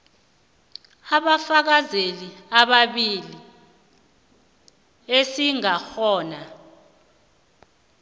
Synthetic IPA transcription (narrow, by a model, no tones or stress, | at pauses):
aɓafak̬azeliaɓaɓili | esiŋaxɔːna